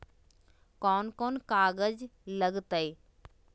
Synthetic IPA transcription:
kɔːnkoːnkaːɡəd͡ʒləɡt̪əi

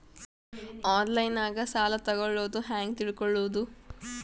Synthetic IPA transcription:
aːnlɐjnaːɡɐsaːlɐt̪ɐɡoɭːoːd̪uɦaːŋɡt̪iɭkɔɭːoːd̪u

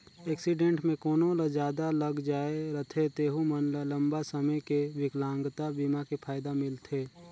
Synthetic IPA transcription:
ɛːksɪɖẽːɳʈmẽkoːnõlɐd͡ʒjaːd̪aləɡd͡ʒaːeɾɐt̪ʰet̪eːɦumənlə̃mbasəməjkeʋɪklãːŋɡt̪abiːmakipʰaːjd̪amɪlt̪ʰeː

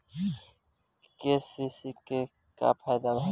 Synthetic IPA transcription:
keːsisike | ka̰pʰɛːd̪alɦ

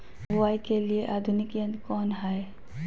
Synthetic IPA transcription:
bʊwajkelieʔaːd̪ʱʊnɪkjə̃nd̪kɔːnɦae

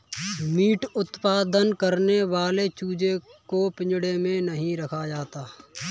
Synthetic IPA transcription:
miːʈʊt̪paːd̪ənkəɾneʋaːlet͡ʃuːd͡ʒekopɪ̃ɲd͡ʒɽemẽnɐɦĩɾɐkʰad͡ʒaːt̪aː

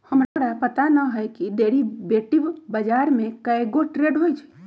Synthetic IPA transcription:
həmɾɾapət̪anəɦəjkiɖeɾibeʈibbəd͡ʒaɾmẽkəeɡoʈɾeɖɦojt͡ʃʰɛ̥

